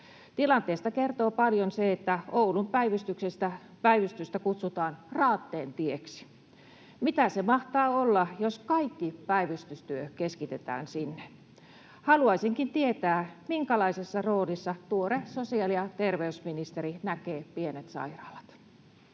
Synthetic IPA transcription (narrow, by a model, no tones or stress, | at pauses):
t̪ilɑnt̪eːst̪ɑkert̪oːpɑljonseet̪ːæoulumpæiʋyst̪yksest̪æ | pæiʋyst̪yst̪ækut̪sut̪ɑːnrɑːt̪ːeːnt̪ieksi̥ | mit̪æsemɑht̪ɑːolːɑjoskɑikːipæiʋyst̪yst̪yøkeskit̪et̪æ̰ːnsinːe | hɑluɑisiŋkint̪iet̪æːmiŋkælɑisesːɑroːlisːɑt̪uoresosiɑliɑt̪erʋeysminist̪erinækeːpienet̪sɑ̰irɑ̰ːlɑ̥t̪